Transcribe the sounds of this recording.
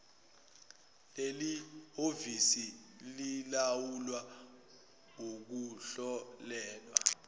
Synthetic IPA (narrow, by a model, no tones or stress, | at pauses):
lelihovisililawulwa | ŋok̬uɬɔlɛːlwa̰